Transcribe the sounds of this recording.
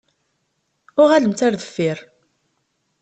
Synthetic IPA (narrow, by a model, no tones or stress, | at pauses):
ʊʁæləmt̪aɾðəfːɪɾ